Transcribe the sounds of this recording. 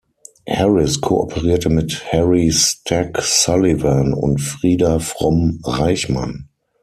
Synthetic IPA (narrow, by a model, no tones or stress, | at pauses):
hɛʁɪskʰoʔɔ̰pʰəʁiːɐtəmɪthɛʁistʰɛksalivanʊ̰ntfʁiːdafʁ̥ɔmʁaɪçmã̰n